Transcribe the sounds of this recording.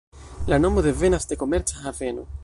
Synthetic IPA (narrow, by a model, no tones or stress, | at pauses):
lanomoðevenazd̪ekomeɾt͡ʃaaveno